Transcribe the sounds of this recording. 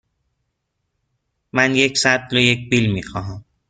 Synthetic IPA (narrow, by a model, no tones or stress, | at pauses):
mænjeksat̪lɒjec̚bilmiːxɒːɦæm